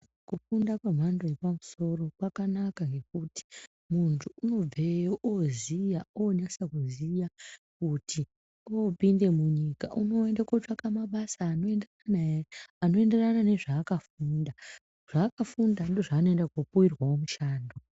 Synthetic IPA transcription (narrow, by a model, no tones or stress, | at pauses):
kufundakwe̞m̤ando̞jepamuso̞ɾo̞kwakanakaŋɡe̞k̚uti̥ | muntʰuuno̞b͡vejoʔozijaoɲasakuzijakuti | opinde̞muɲika̰ʔuno̞endakot͡ʂakamaɓasaːnoende | naːno̞ende̞ranane̞ʐaːkafuːnda | ʐ̥aːkafundando̞ʐaːnoendakopuwirwaomuʃaːndo